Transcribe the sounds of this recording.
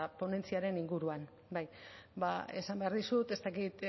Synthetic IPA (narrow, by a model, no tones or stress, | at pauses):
apo̞ne̞nt͡siaɾe̞niŋɡuɾuan | bajbae̞̰sambe̞aɾðisut̪e̞st̪akit̪